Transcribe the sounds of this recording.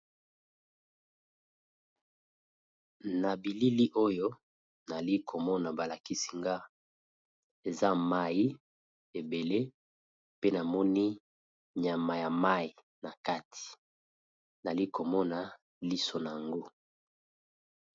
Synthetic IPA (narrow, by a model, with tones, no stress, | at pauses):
na˨bi˨li˦li˦ʔo˦jo˦ | na˨li˦kʰo˨mɔ˦na˨ba˨la˨ki˦si̥˨ŋɡa˦ | e˨za˦ma˦ji˦ | e˨be˨le˦ | pe˦na˨mɔ˦ni˦ | ɲa˨ma˨ja˨ma˦i˨ | na˨ka˦tʰi̥˨ | na˨li˦ko˨mɔ˦na˨ | li˦so˨na˨ja˨ŋɡo˦